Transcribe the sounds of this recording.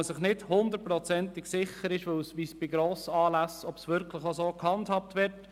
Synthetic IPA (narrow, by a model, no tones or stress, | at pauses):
sɪχnɪdhʊnd̪əɾtpɾɔt͡sɛnt̪ɪksɪχəɾɪʃʋɪwsʋisb̥ɪɡɾoːsəɑːlæsɔbsʋʏɾkləχosoːkhɑndhɑp̚t̪ʋɪɾt